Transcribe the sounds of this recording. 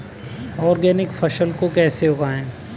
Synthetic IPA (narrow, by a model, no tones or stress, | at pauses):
ɔːɾɡɛːnɪkfɐʃəlkokɛːseɦoɡaːẽː